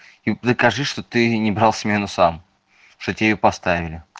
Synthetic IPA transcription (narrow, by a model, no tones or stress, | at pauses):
id̪əkɐʐɨʂt̪ot̪ɨnʲɪbɾalˠsmʲenʊsam | ʂt̪otʲjopɐst̪avʲɪlʲɪ